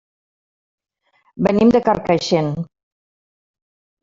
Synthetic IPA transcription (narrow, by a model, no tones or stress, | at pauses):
bɘ̆nimd̪ɘ̆kɑrkɑɕen